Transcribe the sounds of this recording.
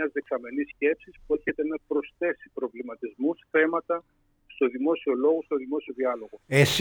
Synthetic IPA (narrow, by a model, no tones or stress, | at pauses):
ɐzðe̞ksɐme̞nisce̞psispueçe̞t̪e̞nɐpɾo̞sθe̞si̥pɾo̞vlimɐt̪izmusθe̞mɐt̪ɐ | st̪o̞ðimo̞sio̞lo̞ɣo̞st̪o̞ðimo̞sio̞ðiɐlo̞ɣo̞es